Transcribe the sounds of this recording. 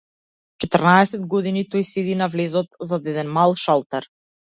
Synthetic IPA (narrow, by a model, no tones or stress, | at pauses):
t͡ʃɛt̪əɾnaɛsɛd̪̚ɡɔd̪init̪ɔjsɛd̪inavlɛzɔt̪zad̪ɛd̪ɛnmalˠʃalˠt̪aɾ